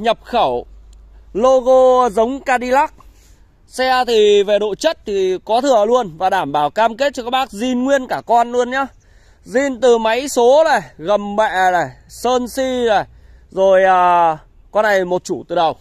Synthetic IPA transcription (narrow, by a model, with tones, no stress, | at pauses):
ɲə˨˩p̚xə˧˩w | lo˧ɣo˧zə˨˦wŋ͡mkaː˧ɗi˧la˦˥k̚ | sɛ˧t̪ʰi˨˩ve˨˩ɗo̰˧˨t͡ɕə˦˥t̚t̪ʰi˨˩kɔ˨˦t̪ʰɨ˨˩əlu˧ənvaː˨˩ɗaː˧˩mɓaː˧˩wkaː˧mke˦˥t̚t͡ɕɔ˧kaː˦˥k̚ɓaː˦˥k̚zi˧nŋwi˧ənkaː˧˩kɔ˧nlu˧ənɲaː˧˦ | zi˧˩nt̪ɨ˨˩ma˨˦jso˨˦laː˨˩jɣə˨˩mɓɛ̰˧˨laː˨˩j | səː˧nsi˧laː˨˩j | zo˨˩jʔəː˨˩ | kɔ˧nːa˨˩jmo˨˩t̚t͡ɕu˧˩t̪ɨ˨˩ɗə˨˩w